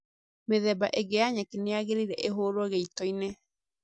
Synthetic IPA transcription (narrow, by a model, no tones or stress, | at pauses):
meðɛbaʔeɡeaɲakeneaɣeɾiɾɛʔeɦoɾwɔɣeitɔine